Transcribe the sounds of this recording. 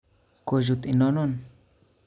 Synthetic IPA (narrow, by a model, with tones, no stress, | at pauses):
ko˧ʒu˧t̪i˧nõ˦no˦n